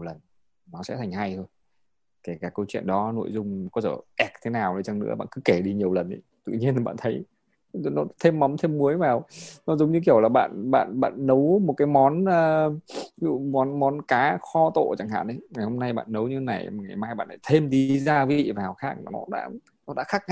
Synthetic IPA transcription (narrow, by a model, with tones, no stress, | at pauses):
ɲi˨˩wlə˨˩n | nɔ˨˦sɛ̰˧˥t̪ʰa˨˩ŋha˧jtʰəː˧n | ke˧˩kaː˧˩kːə˧wt͡ɕwḭ˧˨ənɗɔ˨˦no̰˧˨jzʊ˧ŋ͡mkɔ˨˦zəː˧˩ʔɛ˨˩k̚t̪ʰe˨˦naː˨˩wɗə˨˩jt͡ɕa˧˩ŋnɨ̰˧˥ɓa̰ː˧˨nkɨ˨˦ke˧˩ɗi˧ɲi˨˩əwlə˨˩nʔə̰˨˦t̪ɨ̰˧˨ɲi˧ən˨˩ɓa̰ː˧˨t̪ʰə˨˦j | nɔ˨˦t̪ʰe˧mːa˨˦wŋ͡mt̪ʰe˧mːu˨˦əjvaː˨˩wnɔ˨˦zɔ˨˦wŋ͡mɲɨ˧k̬i˧˩əwlaː˨˩ɓa̰ː˧˨nɓa̰ː˧˨nɓa̰ː˧˨nːə˨˦wmo˨˩t̚kaː˨˦jmɔ˨˦nəː˨˩ | zṵ˧˩mɔ˨˦nmɔ˨˦nkaː˨˦xɔ˧t̪o̰˧˨t͡ɕa˧˩ŋha̰ː˧˨nʔə˨˦jŋa˨˩jho˧mna˧jɓa̰ː˧˨nnə˨˦wɲɨ˧t̪e˦na˨˩jŋa˨˩jmaː˧jɓa̰ː˧˨nʰaː˧˩t̪ʰe˧mɗi˧zaː˧vi˨˦zḭ˧˨vaː˨˩wxaː˦˥k̚nɔ̰˨˦ɗa̰ː˧˥ | nɔ˨˦ɗa̰ː˧˥xa˦˥k̚a˧˨